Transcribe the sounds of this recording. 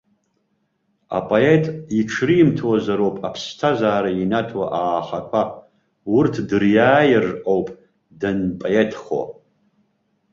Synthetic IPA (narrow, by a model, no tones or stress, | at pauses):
a̰pʼoe̞tʼiʈ͡ʂʰrimtʰwazaɾowpʼapʰstʰazaːɾainatʰwa̰ʔaːχakʷʰa | wʊrtʰdɨrjaːjɪrʔʼowpʼ | danpʼoetʰχo̰